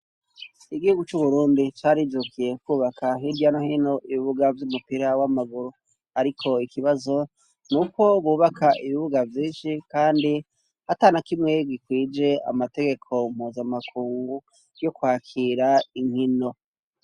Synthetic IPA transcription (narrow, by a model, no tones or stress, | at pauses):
iɡihuɡut͡ʃuβuɾuːndit͡ʃaːɾid͡ʒukʰije̞kuːβakʰaɦiɾjanohino̞ʔiβiβuɡavjumupiɾawamaɡuɾo | aɾikʰo̞ikiβazo̞ | nuko̞βuːβakʰaʔiβiβuɡavjiːnʃikaːndi | hatanakimŋe̞ɡikwiːd͡ʒe̞a̰mate̞ɡe̞kʰo̞m̥huːzamakʰuːŋɡɡɡu | jo̞kwaːkʰiɾaiŋ̥hino̞